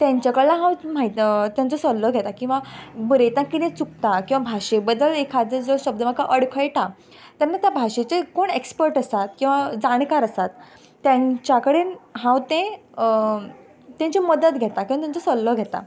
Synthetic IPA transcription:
t̪jãɲt͡ɕakəɽlaɦãwm̤ait̪t̪jãnt͡sɔsɔlːəɡʱet̪akĩw̃ʋabəɾet̪ãkit̪ẽt͡suk̚t̪akĩw̃ʋabʱaʂebəd̪ːəlekʰad͡zəd͡zɔɕəb̚d̪əməɡkaʔəɽkʰəjʈa | t̪anːat̪jabʱaɕet͡sekoɳekspəɾʈəsat̪̚kĩw̃ʋad͡zaɽ̃kaɾəsat̪ː | jãɲt͡ɕjakəɽeːnɦãwt̪ẽ | t̪jãɲt͡ɕiməd̪ət̪ɡʱɛt̪akĩw̃at̪jãnt͡sɔsɔlːəɡʱɛt̪a̰

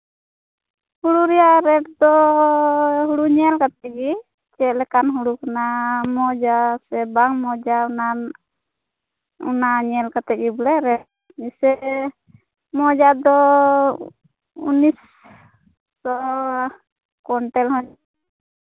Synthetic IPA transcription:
huɽuɾɛjaɾɛʈ̚d̪ɔ | ɦuɽuɲɛlkat̪ɛɡi | t͡ʃɛlɛkanɦuɽukanamɔd͡ʒasɛbaŋmɔd͡ʒana | ṵnaɲɛlkat̪ɛʔ̚ɡibɔlɛɾɛʈ̚ | misɛ | mɔd͡ʒad̪ɔ | ṵnis | ɔ | kɔɳʈɛlhɔɲ

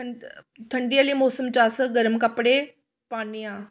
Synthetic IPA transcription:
t̪ʰɐɳɖijaːlimoːsəmt͡ɕaːsɡɐɾəmkɐpɽe | paːnijãː

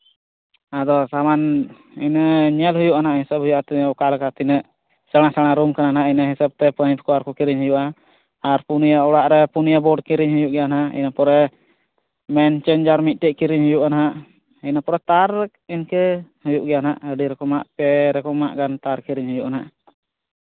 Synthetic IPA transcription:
ad̪ɔsaman | inəɲɛlɦujuʔanaʔɦisəb̚ɦujuʔat̪iɔkalkat̪inəʔ | səɽ̃asaɽ̃aɾumkananaaʔinaɦisab̚t̪ɛpəɲpʰɔ̥kɔaɾkɔkiɾiɲɦujuʔa | aɾpunijaɔɽaʔɾɛpunijabɔɖkiɾiɲɦujuʔɡɛjanaʔḭnapɔɾɛ | mɛnt͡ʃɛnd͡ʒaɾmit̪̚ʈɛʔkiɾiɲɦujuʔanaɦaʔ | inapɔɾɛt̪aɾ | inkɛhujuʔɡɛjanaʔəɖiɾɛkɔmaʔpɛɾɛkɔma̰ʔɡant̪aɾkiɾiɲɦujuʔanaʔ

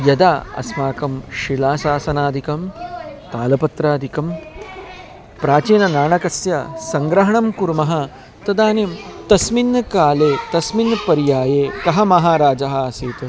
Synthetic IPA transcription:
jɐd̪aːɐ̰smaːkɐmʃilaːsaːsɐnaːd̪ʱikɐmt̪aːlɐpɐt̪ɾaːd̪ʱikɐm | pɾaːt͡ʃiːnɐnaːɳɐkɐsjɐsɐŋɡɾɐɦɐɳɐmkuɾmɐɦɐ | t̪ɐd̪aːnimt̪ɐsminːkaːleːt̪ɐsminːpɐɾjaːjeːt̪ɐɦɐmɐɦaːɾaːd͡ʒɐɦɐsiːt̪ɐ

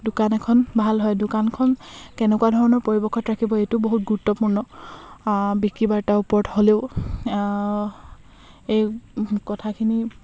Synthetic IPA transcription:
dʊkanɛkʰɔnbʱalɦɔjdʊkankʰɔnkɛnɛkuwadʱɔɹɔnɔɹpoɹibɔkʰːɔtɹakʰibɔejtʊboɦut̚ɡuɹutːɔpuɹnɔ | bikɹibaɹtaupɔɹtholeʊ | ejkɔtʰakʰini

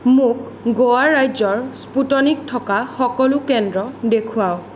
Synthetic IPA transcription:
mʊk̚ | ɡowaɹːajzɔɹsputɔnik̚tʰɔkaxɔkɔlʊkɛndɹɔdekʰuaw

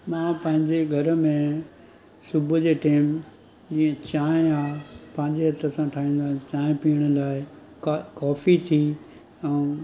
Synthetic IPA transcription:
mãːpɐ̃ɦɪ̃ɲd͡ʑeɡʱɐɾmẽ | sʊbʱʊd͡ʑeːʈiːm | d͡ʑiːə̃t͡ɕãːɪ̃aːpɐ̃ɦɪ̃ɲd͡ʑeɦɐt̪əsãʈʰaːɦĩːn̆d̪ãt͡ɕaːɪ̃piːəɽ̃ə̆laːɪ | kkɔːfit̪ʰi | ɛ̃

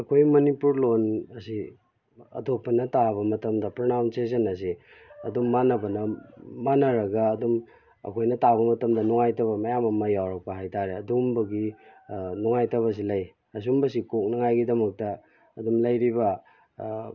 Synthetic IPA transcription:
ɐkʰojmɐnipuɾlonɐsi | ɐ̰tok̚pːɐnɐtaβɐmɐtɐmdɐpɾonawnses̬enɐs̬i | ɐ̰dumːanɐbɐnɐmanɐɾɐɡɐːdum | ɐ̰kʰojnɐtaβɐmɐtɐmdɐnuŋajtɐβɐmɐjamɐmɐjawɾɐk̚pɐɦajtaɾeɐdumbɐɡi | nuŋajtɐβɐs̬ilɐj | ɐs̬umbɐs̬ikok̚nɐŋajɡidɐmɐk̚tɐː | dumlɐjɾibɐ

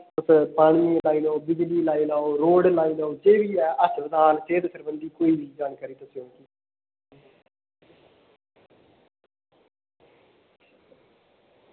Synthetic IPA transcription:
təspaːɳmiːlaːiːnaobɪd͡ʒliːlaːiːnaːoɾoːɖlaːiːnaod͡ʒeːʋiːɛːʔəspəd̪aːnt͡ʃeːd̪səɾbənd̪iːkoːiːbiːd͡ʒaːnkaːɾiːt̪əsjõːkiː

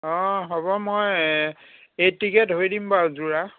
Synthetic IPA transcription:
ɔ̃ɦɔbɔmoj | etiketɦojdimpaɹzuɹa

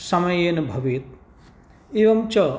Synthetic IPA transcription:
sɐmɐjeːnubʱɐʋit̪̚ | eːʋɐmt͡ʃɐ

